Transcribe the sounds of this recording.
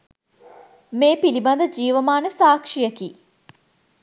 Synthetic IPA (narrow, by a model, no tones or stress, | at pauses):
meːpiliband̪əd͡ʒiːʋəmaːnəsaːkʂijəkiː